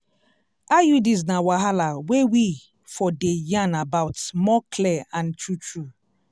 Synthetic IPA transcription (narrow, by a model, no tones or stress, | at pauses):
ajudis̬nawaɦalawewi | fɔdejãnabaʊtmɔkʰlɛãntɹutɹu